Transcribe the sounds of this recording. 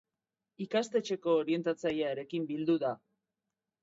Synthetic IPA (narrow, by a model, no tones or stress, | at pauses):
ikast̪e̞t͡ʃe̞ko̞ːɾie̞nt̪at͡sajaeɾe̞kimbild̪uða